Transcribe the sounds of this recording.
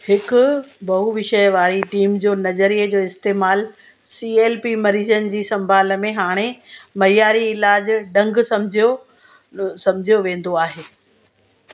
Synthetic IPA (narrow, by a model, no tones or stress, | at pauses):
hɪkʊ̆bɐɦuʋɪʃəjʋaːɾiʈiːmd͡ʑoːnɐd͡ʑəɾiːəd͡ʑoːɪst̪eːmaːl | siːeːlpimɐɾiːzənɪ̆d͡ʑiːsɐ̃mbʱaːlə̆mẽɦaːɽ̃emɐjaːɾiɪlaːd͡ʑɖɐ̃ŋɡsɐmd͡ʑʱjo | sɐ̃md͡ʑʱijoʋẽːn̆d̪oaːɦeː